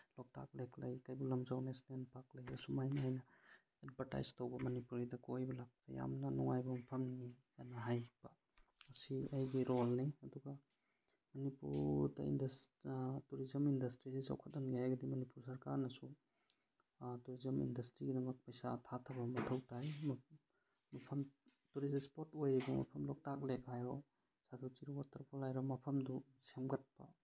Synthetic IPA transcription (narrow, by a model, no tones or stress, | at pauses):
lɔk̚tʰa̰k̚lekʰlɐjkɐjbulɐmzawnesnenpak̚lɐjɐsumajniɦajnɐ | ed̚bʱɐɾta̰jztɐwbɐmɐnipuɾɐjdɐkojbɐlak̚pɐta̰ja̰mnɐnɔŋajbɐmpʰɐmnijanɐɦajb̥ɐ | ɐsiɐjɡiɾolniɐduɡɐ | mɐnipṵɾdɐ̰ḭndɐstuɾizɐmindɐstɾisisa̰wkʰɐt̚ːɐnɡaajɡɐdimɐnipuɾsɐɾkaɾnɐsu | tuɾizɐmḭndɐstɾiɡidɐmɐk̚pɐjsatʰatʰɐbɐmɐtʰɐwtʰajm | mɐpʰɐmtuɾizspotojɾibɐmɐ̰pʰɐmlɔk̚tak̚lekɦajɔ | satʰawt͡ʃiɾiwatʰɐɾpʰɔlajɾamɐpʰɐmdu | semɡɐt̚pɐ̰